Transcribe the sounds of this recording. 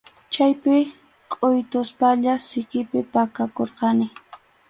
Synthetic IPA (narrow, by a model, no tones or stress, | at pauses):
t͡ʃajpɪ | kʼʊjt̪ʊspaʎasɪkɪpɪpakakoɾqɑnɪ